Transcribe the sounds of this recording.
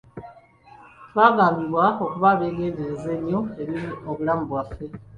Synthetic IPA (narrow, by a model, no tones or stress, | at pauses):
twaːɡaːmbiβwaokuβaβeːneːndeɾezeːɲioeβiɾioβulamuβwafe̞